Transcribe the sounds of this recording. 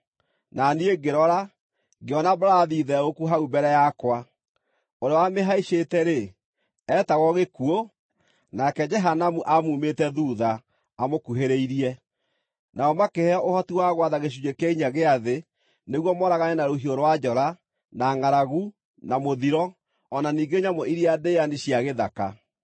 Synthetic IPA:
nanieɡeɾɔɾa | ɡeɔnabɾaðiðɛokuɦaubɛɾɛjakwa | oɾeɔwameɦaiɕetɛɾe | ɛtaɣɔɣekuo | nakɛd͡ʒɛɦanamuʔamumetɛðuːðaː | mokuɦeɾeiɾiɛ | naɔmakehɛɔʔohɔtiwaɣwaðaɣeɕ̬ud͡ʒekɛiɲaɣeaðe | neɣwɔmɔɾaɣaɲɛnaɾoɦioɾwad͡ʒɔɾa | naŋaɾaɣu | namoðiɾɔː | naniːŋɡeɲamɔʔiɾiadeaniɕjaɣeðaka

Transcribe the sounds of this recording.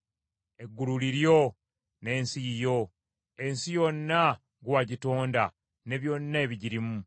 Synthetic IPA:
e̞ɡːululiɾjo̞ | ne̞ːnsijo̞ | e̞nsijo̞nːa | ɡwaɟitoːnda | ne̞βjo̞nːaeβiɟiɾimu

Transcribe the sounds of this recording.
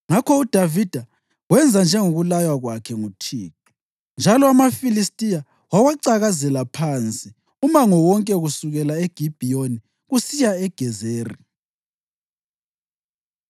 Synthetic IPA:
ŋakʰɔud̥ʱavid̥ʱa | wɛnd͡zʱand͡ʒʱɛŋuɣulajwaɣwakʰɛŋutʰiːtʰʼu̥ | nd͡ʒʱalɔamafilistʼija | wawaǀaɣazɛlapʰant͡sʼi | umaŋɔwɔŋkʼɛɣusuɣɛlaeɡ̥ʱib̥ʱijoni | ɣusijaɛɡ̥ʱɛzeːri

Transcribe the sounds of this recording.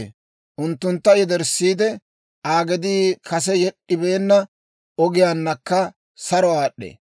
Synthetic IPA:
ʔʊnt̪ːʊnt̪ːɐjɛd̪ɛɾsːiːd̪ɛ | ʔaːɡɛd̪iːkʰɐs̬ɛjɛɗːɪbe̞ːnːɐ | ɔɡɪjaːnːɐkːɐ | sɐɾɔaːɗːḛ

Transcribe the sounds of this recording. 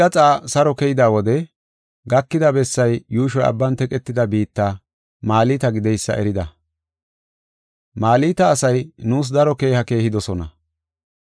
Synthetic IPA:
ɐt͡sʼaːsɐɾɔkɛjɪd̪aːwɔd̪ɛ | ɡɐkːɪd̪ɐbɛsːɐjjuːʃ̬ɔjɐ̰bːɐnt̪ɛkʼɛt̪ːɪd̪ɐbiːt̪ːaː | maːliːt̪ɐɡɪd̪ɛjsːɐ̰ʔɛɾɪd̪ɐ | maːliːt̪ɐːsɐjnuːs̬d̪ɐɾɔke̞ːhɐke̞ːhɪd̪ɔsɔnɐ̰

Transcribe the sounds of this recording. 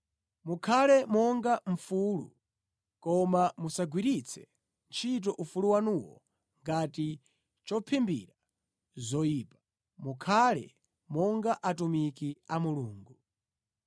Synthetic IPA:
mukʰalɛmɔŋɡaɱ̩fulṵ | kɔmamusaɡwiɾit͡sʰɛ̰ | nt͡ʃʰit̬ɔʔufuluwanuwɔ̰ | ŋɡati | t͡ʃɔpʰimbḭɾa | zɔjiːpḁ | mukʰalɛ̰ | mɔŋɡaʔatumikiamuluːŋɡu

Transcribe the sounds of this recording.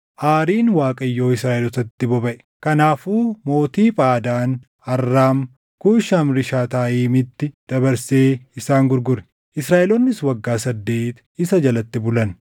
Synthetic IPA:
ʔaːɾiːnwaːkʼɐjːo̞ːɪsɾaːʔɛlɔt̪ɐt̪ːɪbɔbɐʔɛ̥ | kɐnaːfuːmo̞ːt̪iːpʼaːd̪aːn | ɐrːaːm | kuːʃamɾɪʃaːt̪aːʔiːmɪt̪ːɪd̪̥ɐbɐɾseːɪsaːŋɡʊɾɡʊɾɛ̥ | ʔɪsɾaːʔɛlɔnːɪswɐɡːaːsɐd̪ːe̞ːt̪ | ɪsɐd͡ʒɐlɐt̪ːɪbʊlɐn

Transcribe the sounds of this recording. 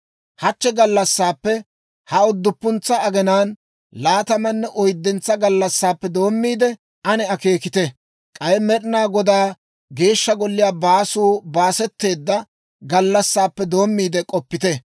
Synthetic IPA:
hɐt͡ʃːɛɡɐlːɐsːaːpːɛ | hɐʊd̪ːʊpːʊnt͡sːɐːɡɛnaːn | laːt̪ɐmɐnːɛʔɔjd̪ːɛnt͡sːɐɡɐlːɐsːaːpːɛd̪o̞ːmːiːd̪ɛ | ʔɐnɛɐke̞ːkɪt̪ɛ | kʼɐjɛmɛɗnaːɡɔd̪aː | ɡe̞ːʃːɐɡɔlːɪjaːbaːsuːbaːsɛt̪ːe̞ːd̪ːɐ | ɡɐlːɐsːaːpːɛd̪o̞ːmːiːd̪ɛkʼɔpːɪt̪ɛ

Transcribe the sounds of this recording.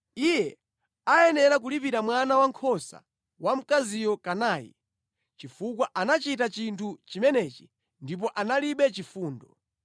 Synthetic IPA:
ijɛ | ajɛnɛɾak̬ulipiɾamwanawaŋkʰɔsa̰ | wam̩kazijɔkanaːjḭ | t͡ʃifukwaʔanat͡ʃitat͡ʃintʰut͡ʃimɛnɛːt͡ʃi̥ | ndip̬ɔʔanaliɓɛt͡ʃifuːndɔ

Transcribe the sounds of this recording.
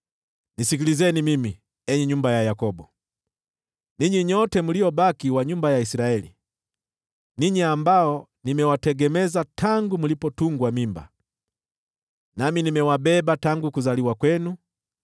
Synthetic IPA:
nisikilizɛnimimi | ɛɲɛɲumbajajakɔbɔ | niɲiɲɔtɛmuliɔbakiwaɲumbajaisiɾaɛlḭ | niɲiambaɔnimɛwatɛɡɛmɛzatʰaŋɡumulipɔtuŋɡwamimba̰ | naminimɛwabɛbataŋɡukuzaliwakwɛnu

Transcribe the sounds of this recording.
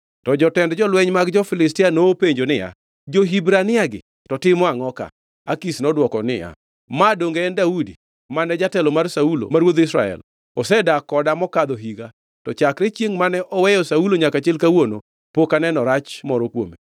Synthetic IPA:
tɔd͡ʒɔtɛndd͡ʒɔlwɛɲmaɡd͡ʒɔfɪlɪstɪanoːpeɲd͡ʒonɪja̰ | d͡ʒoɦibɾanɪaɡɪ̰ | tɔtɪmɔaŋɔka̰ | akisnɔdwɔkɔnɪ̰ja̰ | madoŋɡeːndaudi | manɛd͡ʒatɛlɔmarsaulo̰maɾwod̪ɪsɾa̰ɛ̰l | ɔsɛdakɔdamɔkad̪ɔɦiɡa | tɔt͡ʃakɾet͡ʃjeŋmanɛʔɔwɛjɔsauloɲakat͡ʃɪlkawono̰ | pokanɛnɔɾat͡ʃmɔɾɔkwo̰me

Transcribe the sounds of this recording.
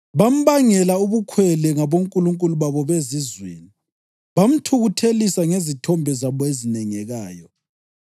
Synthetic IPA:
βam̩βaŋɛlauβukʰwɛlɛŋaβoŋkʼuluŋkʼuluβaβɔβezizwḛːni | βam̩tʰuɣutʰelisaŋezitʰɔmbʱɛzaβɔezinɛŋɛɣaːjɔ

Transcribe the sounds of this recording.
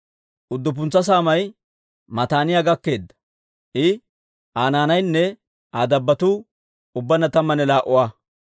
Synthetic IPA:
ʔʊd̪ːʊp̬ʊnt͡sːɐs̬aːmɐj | mɐt̪aːnɪjaɡɐkːe̞ːd̪ːɐ̥ | ʔɪ | ʔaːnaːnɐjnːɛ | aːd̪ɐbːɐt̪u | ʊbːɐnːɐt̪ɐmːɐnɛlaːʔʊwaː

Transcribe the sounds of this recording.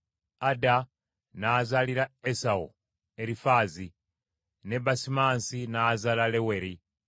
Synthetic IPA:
ada | naːzaliɾaesao̰ | eɾifaːzi | ne̞basimaːnsinaːzalalewe̞ɾi

